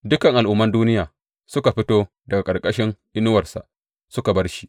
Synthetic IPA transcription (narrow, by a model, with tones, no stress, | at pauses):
dʊ˦kɐ˨ŋʔa˨lʔʊ˦mːɐ˦nduː˦nɪ˦jaː˨ | sʊ˦ka˨ɸɪ˦toː˦ | dɐ˨ɡa˨kʼɐ˨rkʼɐ˦ʃɪ˦ŋʔɪ˦nʊ˦wɐ˨rsa̰˨ʔ | sʊ˦ka˨bɐ˦rʃi̥˦